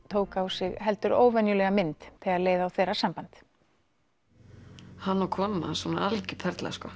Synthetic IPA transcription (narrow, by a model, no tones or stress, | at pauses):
t̪ʰoːwkaːwsɪɣɦɛlt̪ʏɾo̰ːwvɛnjʏlɛɣamɪnt̪θɪɣaðleːjðaːwθɛːrasampant̪ | hanːakʰɔːma̰sɔna̰ʔalcɪpʰɛɾt̪la̰skɔ